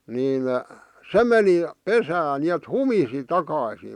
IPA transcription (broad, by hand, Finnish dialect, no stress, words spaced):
niːn se meni pesæːn niet humisi tɑkɑˑĭsiː